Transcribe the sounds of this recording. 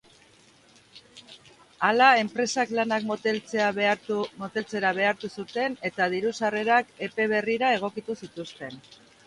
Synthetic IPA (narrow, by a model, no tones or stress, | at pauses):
alae̞mpɾe̞saklanak̪lt͡se̞amo̞t̪e̞lt͡se̞ɾaβ̞e̞aɾt̪usut̪e̞ne̞t̪að̞iɾusare̞ɾake̞pe̞β̞e̞riɾae̞ɣ̞o̞kit̪usit̪ust̪e̞n